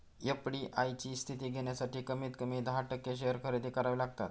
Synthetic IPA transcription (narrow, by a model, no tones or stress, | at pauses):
jəpɽiːʔajt͡ɕiːst̪ʰit̪iːɡʱeɳjasaʈiːkəmiːt̪kəmiːd̪ʱaʈəkːeɕ̬eɦəɾkʰəɾed̪ikaɾaʋlaɡt̪at̪